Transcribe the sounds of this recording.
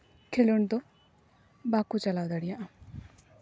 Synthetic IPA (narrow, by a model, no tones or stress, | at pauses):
kʰeluɳt̪ɔ | bakut͡ʃalawd̪aɽijaʔã